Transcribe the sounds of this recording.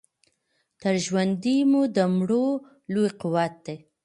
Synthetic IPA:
t̪əɾʒwand̪imud̪əmɽo | lojqʊwat̪̚d̪e

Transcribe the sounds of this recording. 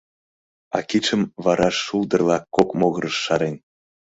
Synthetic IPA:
ɑ̰kit͡ʃəmβɑɾɑʃːuld̪ə̆rlˠɑkːokmoɣə̆ɾəʃːɑɾen

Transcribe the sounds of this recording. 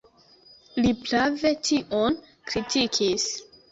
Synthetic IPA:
liplave̞tʰiʔon | kɾitʰikʰis

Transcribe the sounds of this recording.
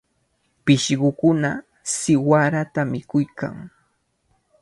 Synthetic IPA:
pɪʃɢʊkʊna | sɪwaɾat̪amɪkʊjka̰ŋ

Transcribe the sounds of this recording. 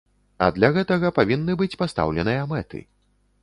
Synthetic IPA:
ɐ̰d̪lʲaɣɛt̪ɐɣɐpavʲinːɨbɨt͡sʲpast̪a̰wlʲɛnɨjɐmɛt̪ɨ̰

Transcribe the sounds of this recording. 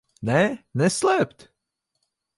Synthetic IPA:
nɛnɛslɛpt̪

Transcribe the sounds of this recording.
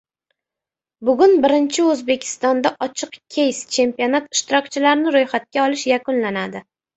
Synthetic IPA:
bʊɡʲʊnbɪɾɪnt͡ʃʰɪɵzbe̞kʲʰɪ̥st̪ɒnd̪aʔɒt͡ʃʰɨqkʲʰe̞jst͡ʃʰe̞mpionat̪ɪʃt̪ɪɾɒkt͡ʃʰɪlaɾɪnɪɾojχat̪̚kʲaɒlɪʃjakʊnlanad̪ɪ

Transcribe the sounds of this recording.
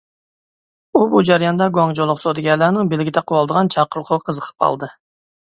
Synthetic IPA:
ubud͡ʒæɾijɑnd̪ɑɡoŋd͡ʒolˠːʊqsod̪ɪɡʲɛlænɪŋbɪlɡʲit̪ʰɛqʰʊwɑlˠd̪əʁɑnt͡ʃʰɑqʰəɾʊqʰʊqʰəzəqʰə̥p̚ʰɑ̰lˠd̪ɨ

